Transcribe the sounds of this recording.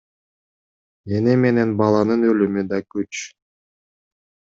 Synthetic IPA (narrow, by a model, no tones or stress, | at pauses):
eneme̞ne̞nbɑlˠɑnɯnølymyd̪ɑkyt͡ʃ